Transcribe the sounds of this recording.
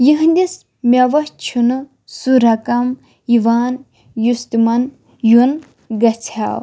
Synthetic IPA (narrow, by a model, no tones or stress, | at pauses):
jiɦnd̪is | mʲɐʋɐht͡ʃʰunɨ | suɾɐkɐm | iʋaːn | just̪imɐn | jun | ɡɐt͡sʰa̰ːw